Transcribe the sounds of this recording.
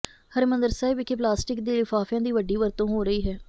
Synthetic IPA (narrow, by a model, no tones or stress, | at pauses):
həɾmə̃nd̪əɾsaːɪbɪkep̬laːsʈɪkd̪eːlɪfaːfjãːd̪iːʋəɖːiːʋəɾt̪õːɦoːɾəiːɦɛː